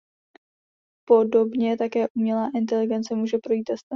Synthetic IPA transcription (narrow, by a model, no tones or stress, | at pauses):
po̞do̞bɲɛt̪akɛːʔumɲɛlaːʔɪnt̪ɛlɪɡɛnt͡sɛmuːʒɛpɾo̞jiːt̪ɛst̪a